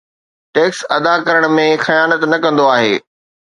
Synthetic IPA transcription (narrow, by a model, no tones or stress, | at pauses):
ʈeːksɐd̪akɐɾəɽ̃̆mẽxɐjaːnət̪nɐkɐ̃nd̪oaːɦḛː